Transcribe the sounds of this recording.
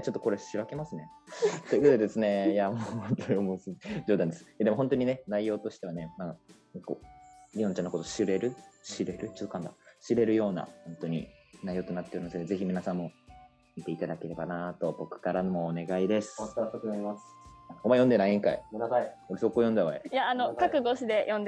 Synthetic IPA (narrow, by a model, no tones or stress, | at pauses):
t͡ɕot̪ːo̞ko̞ɾe̞ɕiɾake̞masɨne̞ | t̪oikot̪od̪ed̪esɨne̞jaot̪oomosd͡ʑo̞ːd̪ãnd̪esɨ̥jad̪e̞mo̞ɦõt̪o̞ɲ̟ine̞naijo̞ːt̪o̞ɕi̥t̪e̞ane̞ma | koɾʲiõnt͡ɕanakot̪oɕiɾe̞ɾɯ̟ɕiɾe̞ɾɯ̟t͡ɕot̪ːokãnd̪a̰ɕiɾe̞ɾɯ̟jo̞ːna̰hõ̞nt̪o̞ɲ̟ḭnaijo̞ːt̪o̞nat̪ːeoɾɯmased̪eze̞çimʲinasãmːo̞ | mʲit̪e̞it̪ad̪ake̞ɾe̞banat̪o̞bo̞kɯ̟̥kaɾanomoːne̞ɡaid̪e̞sɨ̥t̪ːakɯnaɾʲimasɨ̥akomajõnd̪e̞naiĩŋkaiaioɾeso̞kːoːjõ̞nd̪aβaejaːnokakɯ̟ɡo̞ɕid̪e̞jʔõnd̪